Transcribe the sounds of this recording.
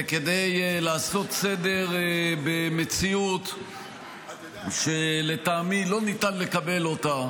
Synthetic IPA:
ke̞d̪e̞jlaːso̞t̪se̞de̞ʁbe̞me̞t͡siut̪ | ʃele̞taːmilo̞nitanle̞kabe̞lota

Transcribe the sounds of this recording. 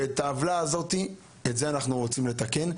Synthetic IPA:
etaːvlaːzo̞ti | etze̞anaχnuʁo̞t͡simle̞t̪ake̞n

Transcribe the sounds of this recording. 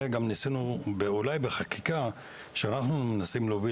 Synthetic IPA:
ɡamnisenubeolajbeχakika | ʃeanaχnunimnasimlovi

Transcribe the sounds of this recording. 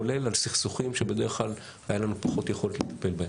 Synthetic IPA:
ole̞lalsiχsuχimʃebe̞d̪eʁeχklal | hajalanupḁχo̞tjeχo̞letlet̪ḁpe̞lbahem

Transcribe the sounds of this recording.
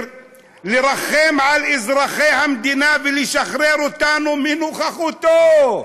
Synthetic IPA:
leɾaχemʕalizɾaχejhamd̪inaveliʃaχɾeɾot̪anumenuχaχut̪o

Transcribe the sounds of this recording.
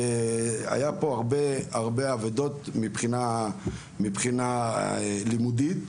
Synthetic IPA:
a̰japo̞aʁbe̞aʁbe̞aved̪o̞t̪mipχina | mipχina | limud̪it̪

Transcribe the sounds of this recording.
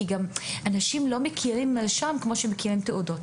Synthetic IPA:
iɡamʔanaʃimlo̞mekʰiʁimʃamkmo̞ʃemekiʁimt̪eʔudot

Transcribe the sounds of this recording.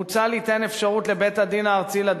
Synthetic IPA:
ut͡salit̪e̞nefʃaʁut̪lebet̪had̪inaːʁt͡sila

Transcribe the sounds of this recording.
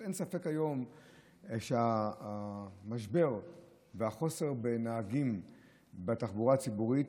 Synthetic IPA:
ensafe̞khajo̞m | ʃea | maʃbe̞ʁ | veaχo̞se̞ʁbenaːɡim | bataχbuʁat͡sibuʁit

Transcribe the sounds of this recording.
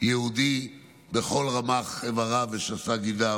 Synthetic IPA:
jehud̪i | beχo̞lʁamaχevaʁaveʃasaɡida

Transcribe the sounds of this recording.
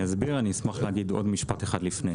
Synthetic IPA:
ezbiʁanismaχleɦaɡido̞dmiʃpateχadlifne

